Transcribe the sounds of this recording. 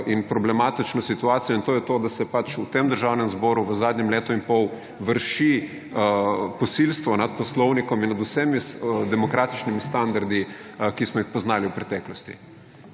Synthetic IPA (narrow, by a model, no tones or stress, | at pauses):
ʔinpɾɔblɛmat̪it͡ʃnɔsit̪uaːt̪sijɔint̪oːjɛt̪oːd̪asɛpat͡ʃut̪emd̪əɾʒawnɛmzbɔːɾuʋəzaːd̪ɲɛmleːt̪ɔinpɔw | ʋəɾʃi | pɔsilst̪ʋɔnat̪̚pɔslɔwnikɔminad̪usɛmid̪ɛmɔkɾaːt̪i̥t͡ʃnimist̪and̪aɾd̪ikismɔixpɔznaːliwpɾɛt̪ɛːklɔst̪ḭ